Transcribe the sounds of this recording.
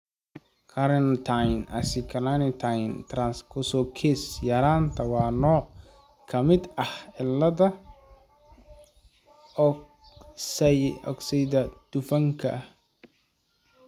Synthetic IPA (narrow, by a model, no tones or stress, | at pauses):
kʰɐɾɛnt̪ʰajnʔɐ̰sɪkʰɐnanɪt̪ʰajnt̪ʰɾɐnskʰʊsɔkʰɛsjɐɾaːnt̪ʰɐwɑːnɔːʕ | kʰɐmɪd̪ɐhɪlːɐðɐ | sɛɔ̰ɡsɛjd̪ɐd̪̥ʊfɐŋkʰɐ̰